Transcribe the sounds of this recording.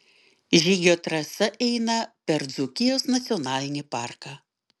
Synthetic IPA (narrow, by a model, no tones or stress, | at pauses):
ʒʲiːɡʲoːt̪ɾɐsɐʔɛɪnɐpʲɛɾd̪zʊkʲɪjoːsnɐt̪sʲɪɔnɑːlʲɪnʲɪpɑːˑɾkɑː